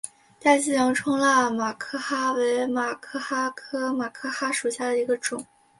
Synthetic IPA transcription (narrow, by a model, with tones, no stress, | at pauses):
t̪a˥˩ɕ̩˥˩jɑ˧˥ŋʈ͡ʂʰʊ˥ŋla˥˩ma˨˩kʰɤ˥xa˥we˧˥ɪma˨˩kʰɤ˥˩xa˥kʰɤ˥ma˨˩kʰɤ˥xa˥ʂu˨˩ɕja˥˩d̪ə˩i˧˥ɡə˧ʈ͡ʂʊ˨˩˦ŋ